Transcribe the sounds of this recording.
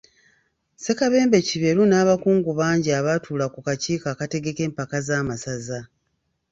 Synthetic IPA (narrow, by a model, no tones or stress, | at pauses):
se̞kaβe̞ːmbe̞ciβe̞ɾunaːβakuːŋɡuβaːɲɟiaβatuːlakukaciːkaːkate̞ɡe̞ke̞ːmpakazaːmasaza